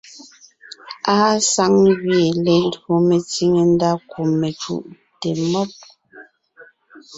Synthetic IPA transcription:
aː˦sa˦ŋɣje˨le˨n˦do˨me˨t͡si˦ŋe˨n˦da˦ku˨mːe˨t͡ʃṵ˨ʔ | te˨mɔ˦p̚

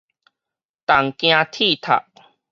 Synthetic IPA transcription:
t̪a˨˩ŋkj̃ã˧t̪ʰi˥˨t̪ʰa̰˨˩ʔ̚

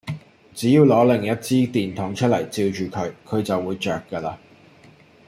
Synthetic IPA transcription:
t͡siː˨˥jiː˧wlɔː˨˥lɪ˨˩ŋjɐ˥t̚t͡siː˥t̪iː˨nt̪ʰɔː˨˥ŋt͡ʃʰɵ˥lɐ˨˩jt͡siː˧wt͡ʃyː˨kʰɵ˨˧ɥkʰɵ˨˧ɥt͡sɐ˨wːuː˨˧jt͡ʃœː˨˩kːəː˧laː˧

